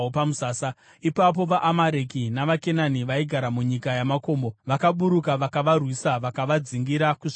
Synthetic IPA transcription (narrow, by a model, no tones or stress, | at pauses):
opamusaːsa | ipap̬o̞ʋaʔːmaɾekinaʋake̞naniʋaiɡʱaɾamuɲikajamako̞ːmboʋakaɓuɾukaʋakaʋarwisaʋakaʋad͡ziŋɡiɾakuʐ